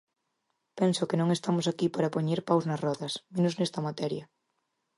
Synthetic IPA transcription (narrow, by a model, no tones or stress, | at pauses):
pẽnsʊkenõŋest̪amʊsakipaɾapoɲeɾpawznɐsrɔðɐsmẽnʊznɛst̪ɐmat̪ɛɾjɐ